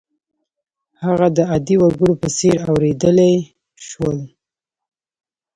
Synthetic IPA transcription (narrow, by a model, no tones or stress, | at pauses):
haɣad̪əad̪iwaɾɡəɽopəseɾawɾed̪əlaj | ʃwəl